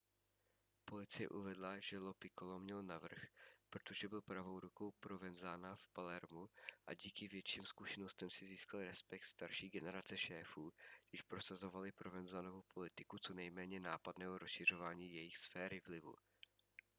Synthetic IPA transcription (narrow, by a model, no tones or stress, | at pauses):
po̞lɪt͡sɪjɛ̰ʔuvɛdlaʒɛlopɪkolomɲɛlnavr̩xpɾot̪oʒɛbɪlpɾavo̞wɾuko̞wpɾo̞vɛnzaːnafpalɛɾmuʔa̰ɟiːkɪvjɛt͡ʃiːmskuʃɛno̞st̪ɛmsɪziːskalɾɛspɛk̚t̪st̪aɾʃiːɡɛnɛɾat͡sɛʃɛːfuːɡdɪʃpɾo̞sazo̞valɪpɾovɛnzanovowpʰo̞lɪt̪ɪkut͡so̞nɛjmɛːɲɛnaːpadnɛːɦoɾosʃɪr̝o̞vaːɲiːjɛjɪxsfɛːɾɪvlɪvṵ